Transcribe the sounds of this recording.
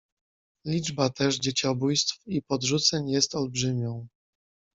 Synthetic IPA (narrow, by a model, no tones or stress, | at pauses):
lʲid͡ʐbat̪ɛʐd͡ʑet͡ɕɔbujst̪fipɔd̪ʐut̪sɛɲjɛst̪ɔlbʐɘmʲɔ̃w̃